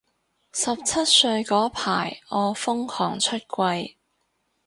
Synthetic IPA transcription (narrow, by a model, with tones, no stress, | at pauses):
sɐ˨p̚t͡sʰɐ˥t̚sɵ˧ɥkɔː˨˥pʰaː˨˩jɔː˨˧fʊ˥ŋkʰɔː˨˩ŋt͡ʃʰɵ˥t̚kʷɐ˧j